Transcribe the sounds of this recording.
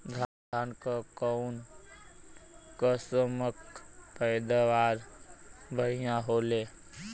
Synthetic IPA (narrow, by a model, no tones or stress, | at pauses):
d̪ʱa | ankəkɔʊn | kəsəməkpəɪd̪aʋaːɾ | bʱəɦijãɦoːle